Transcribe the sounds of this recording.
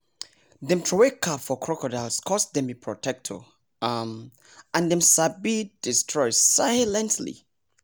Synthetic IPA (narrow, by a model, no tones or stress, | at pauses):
ðɛ̃mtʰɹɔwekʰapfɔkʰɹɔkɔdalskʰɔstdɛ̃mipʰɹɔtʰɛk̚tʰɔ̰ | m | ãndɛ̃msabid̥istʰɹɔɪdsaɪlɛ̃ntʰlḭ